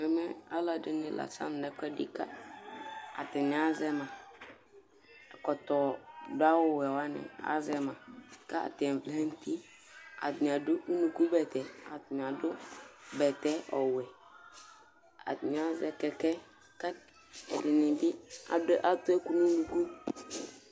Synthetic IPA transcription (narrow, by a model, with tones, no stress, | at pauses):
mɛ˨mɛ˦a˦la˨dɪ˨nɪ˨la̰˨sa̰˦m˨nɛ˨kʷɛ˦dɪ̰˦ka˦ | a˨tɪ˨nɪ˨a˦zɛ˦mã˨ | kɔ˨tɔ˨dʊ˦a˦wʊ˦wɛ˨wa˦nɪ̰˨a̰˨˦zɛ˦mã˨ka˦a̰˨tɪ˨ɛ̃˨flɛ˦n˦ti˦ | a̰˨tɪ˨n˨a˨dʊ˦ʔu˦nu˨ku˦bɛ˨tɛ˨a˨tɪ˨n˨a˨dʊ˦bɛ˨tɛ˦ɔ˨wɛ˨ | a̰˨tɪ˨n˨˦a˦zɛ˦kɛ˨kɛ˦ | ka˦ | ɛ˨dɪ˨nɪ˨bɪ˦a̰˨dʊ˦ʔa˦tʊ˦ɛ˦ku˦nu˦nu˨ku˦